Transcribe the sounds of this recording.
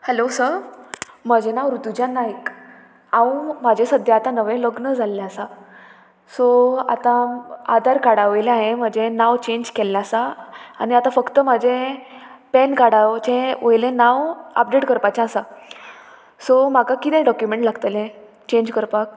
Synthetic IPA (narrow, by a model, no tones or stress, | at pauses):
hɛlosə | məd͡ʑenaʋɾut̪ud͡ʑanːaɦik | ãũmad͡ʑʱẽsəd̪ʱjaːt̪ãnəʋẽləɡnəd͡zʱalːaːsa | soa̰t̪ãa̰d̪ʱaɾkaɽaʋəjlẽaɦẽm̤əd͡ʑenaʋt͡ɕeɲd͡ʑkɛlːjasaːniat̪ãfəkt̪əm̤ad͡ʑʱẽ | pɛnkaɽaʋt͡ɕẽəjlẽnaʋə̰p̚ɖeʈkəɾpat͡ɕãsa | som̤akakit̪ɛ̃ɖɔkjumeɳʈlaɡt̪əlẽ | t͡ɕẽɲd͡ʑkəɾpak̚